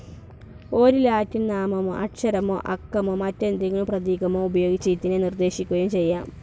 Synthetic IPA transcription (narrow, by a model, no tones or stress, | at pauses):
o̞ːɾulaːtːinnaːmɐmo̰ːʔɐʈʂɐɾɐmo̰ːʔɐkːɐmoːmɐtːend̪iŋːɐɭumprɐðiːɡɐmoːubɐjo̞ːɡit͡ɕːit̪ːinenird̪e̞ːɕikʲːuɣɐjumt͡ɕe̞jːaːm